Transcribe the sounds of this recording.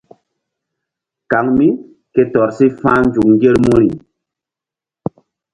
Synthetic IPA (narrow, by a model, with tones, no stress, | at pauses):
ka˨˦ŋmi˦ | ke˦tɔ˨ɾsi˦fã˦nd͡ʒu˨kŋɡe˦ɾmu˦ɾḭ˨